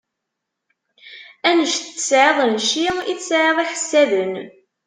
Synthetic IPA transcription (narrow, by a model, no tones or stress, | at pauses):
ænəʃθə̥sʕeðˤnʃiiθsʕeðˤiħəsːæðən